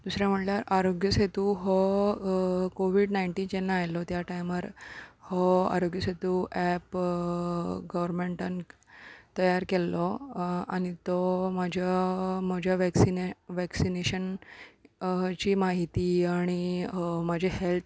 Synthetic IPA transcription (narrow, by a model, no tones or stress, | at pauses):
d̪usɾjãm̤əʈljaɾaɾoɡjəset̪uɦɔ | koʋiɽnaiɳʈiːnd͡ʑɛnːaːjlɔt̪jaʈajmaɾhɔa̰ɾoɡjəset̪uʔɛp | ɡəʋəɾmeɳʈan | t̪əjaɾkɛlːɔaɽ̃it̪ɔmad͡ʑʱjam̤əd͡ʑʱjaʋɛksinʋɛksineɕən | t͡ɕiːmaɦit̪iaɽ̃iməd͡ʑʱeɦelt̪ʰ